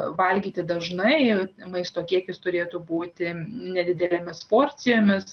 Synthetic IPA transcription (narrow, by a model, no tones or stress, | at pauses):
ʋɐlʲɡʲiːt̪ʲɪd̪ɐʒnɐɪmɐɪst̪oːkʲiɛkʲɪst̪ʊɾʲeːt̪ubuːt̪ʲɪnʲɛd̪ʲɪd̪ʲɛlʲemʲɪspoːrʲt͡ssʲɪjoːmʲɪs